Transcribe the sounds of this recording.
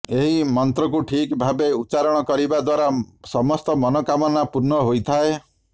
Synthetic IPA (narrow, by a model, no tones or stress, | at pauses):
eɦimɔnt̪ɾɔkuʈʰikbʱabeut͡ʃaɾɔɽ̃ɔkɔɾibad̪waɾasɔmɔst̪ɔmɔnɔkamɔnapuɾnɔɦojt̪ʰae